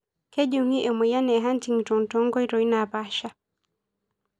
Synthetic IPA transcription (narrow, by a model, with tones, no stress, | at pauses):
kɛ˦ʄu˨ŋi˦ʔɛ˨mɛ˨ja˦nɛ˨ɦa˦n˦ti˨ŋ˨tɔ˨ŋ˨tɔ˦ŋ˦ɡɔ˦i˦ɾɔ˨i˦na˨pa˦ʃa˦